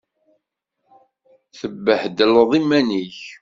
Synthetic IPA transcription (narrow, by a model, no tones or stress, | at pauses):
θəbːəħd̪ələðˤimːæniç